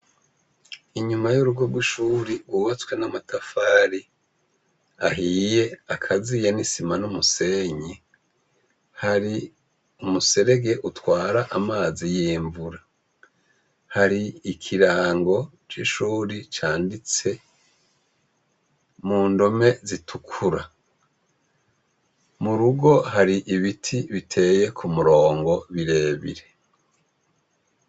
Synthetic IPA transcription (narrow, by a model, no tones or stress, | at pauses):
iɲumajuɾuɡwobɡwiʃuːɾiɡwuːβat͡skwe̞namatʰafaːɾi | aɦije̞akʰazijenisimanumuse̞ɲi | haɾi | umuse̞ɾe̞ɡe̞ʔutwaːɾaʔamaːzijiːɱvuɾa | haɾiikʰiɾaːŋɡo̞ | t͡ʃiʃuːɾit͡ʃaːndit͡se̞ | muːndo̞me̞zitʰukʰuɾa | muɾuɡo̞ɦaɾiʔiβitʰiβitʰe̞ːje̞kʰumuɾo̞ːŋɡo̞βiɾe̞ːβḭɾe̞